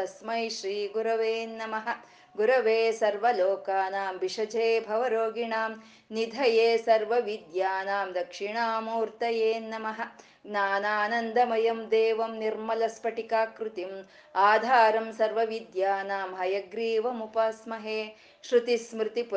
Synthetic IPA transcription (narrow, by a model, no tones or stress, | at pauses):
ɐsmɐjʃɾiːɡuɾɐʋeːnɐmɐɦɐ̆ | ɡuɾɐʋeːsɐɾʋɐloːkaːnaːmʋiʂɐd͡ʒeːbʱɐʋɐɾoːɡiɳaːm | nid̪ʱɐjeːsɐɾʋɐʋid̪jaːnaːmd̪ɐkʂiɳaːmuːɾt̪ɐjeːnɐmɐɦɐ̆ | naːnaːnɐnd̪ʱɐmɐjɐmd̪eːʋɐmniɾmɐlɐspɐʈikaːkɾut̪im | aːd̪ʱaːɾɐmsɐɾʋɐʋid̪jaːnaːmɦɐjɐɡɾiːʋɐmupɐsmɐɦeː | ʃɾut̪ismɾɪt̪ip